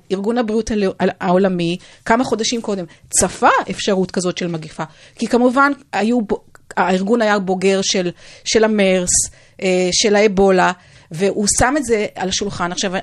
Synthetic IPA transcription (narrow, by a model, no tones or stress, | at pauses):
iʁɡunabʁiutalaaolamikamaχo̞daʃimko̞de̞mt͡safaefʃaʁutkazo̞tʃe̞lmaɡifa | kikamuvanajubaiʁɡunajabo̞ɡe̞ʁʃelʃe̞lame̞ʁs | ʔeʃe̞laebo̞la | ve̞ʔusametze̞alaʃulχanaχʃava